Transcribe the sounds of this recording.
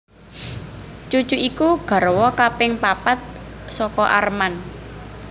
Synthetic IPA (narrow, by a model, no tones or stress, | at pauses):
t͡ʃut͡ʃuikuɡ̥a̤ɾwɔkapɪŋpapat̪̚sɔkɔʔa̰rman